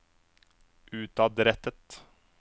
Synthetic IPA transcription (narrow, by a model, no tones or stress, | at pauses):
ʔʉːt̪ɑd̪ɾɛt̪ət̪